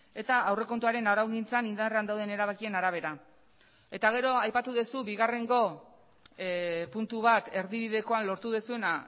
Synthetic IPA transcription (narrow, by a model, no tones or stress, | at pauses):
e̞t̪aːwre̞kont̪uaɾe̞naɾawɣint͡sanind̪are̞and̪awð̞e̞ne̞ɾaβakie̞naɾaβ̞e̞ɾa | e̞t̪aɣ̞e̞ɾo̞ajpat̪uðesuβiɣare̞ŋɡo̞ | punt̪uβat̪e̞ɾðiβiðe̞ko̞anlo̞ɾt̪uðesue̞na